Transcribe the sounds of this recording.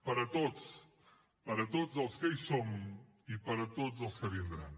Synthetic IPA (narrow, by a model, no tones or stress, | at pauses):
pɐɾɐt̪ots | pɐɾɐt̪ot̪zɐlˠskəisom | ipɐɾɐt̪otzɐlˠskəβind̪ɾa̰n